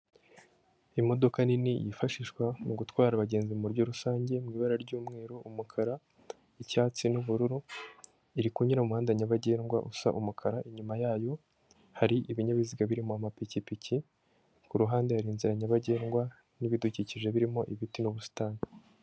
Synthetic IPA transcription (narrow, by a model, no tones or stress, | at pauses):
imo̞do̞kaninijḭfaʃiʃkwamuɡutwaːɾaβaɟe̞ːnzimuɾɟo̞ɾusaːɲɟe̞mŋiːβaɾaɾɟuːmŋe̞ːɾoʔumukʰaɾa | icaːt͡sinuβuɾuɾu | iɾikuɲiɾaumuhaːndaɲaβaɟe̞ːnɡwa̰ʔusa̰ʔumukʰaɾaʔiɲumajaːjo̞ | haɾiʔiβiɲaβiziɡaβiɾimoamapicipici | kuɾuɦaːnde̞haɾiːnziɾaɲaβaɟe̞ːnɡwa | niβiduciciʒe̞βiɾimo̞ʔiβitinuβusi̥taːni